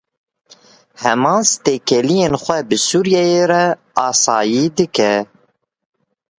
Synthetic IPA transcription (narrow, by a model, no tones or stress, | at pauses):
hɛmɑ̃ːnst̪eːkɛlijeːnxʷɛbɨsuːɾjɛjeɾɛ | ɑːsɑːjiːd̪ɨkɛ